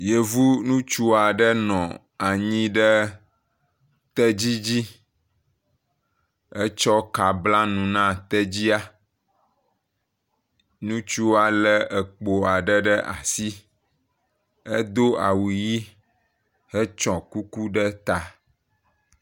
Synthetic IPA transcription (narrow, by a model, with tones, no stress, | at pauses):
je˨vu˦nũ˦t͡ʃu˦a˨ɖə˦nɔ̃˨ | a˨ɲĩ˦ɖə˦ | t̪ɛ˦d͡ʑi˦d͡ʑi˦ | ə˦t͡ʃɔ˦ka˨bla˦nũ˨nã˦t̪ɛ˦d͡ʑi˦a˦ | nũ˦t͡ʃu˦a˨lə˦ə˨k͡po˨a˨ɖə˦ɖə˦ʔa̰˨si˦ | ə˦d̪o˦a˨wu˨ji˦ | hə˦t͡ʃɔ̃˨ku˦ku˦ɖə˦t̪a˨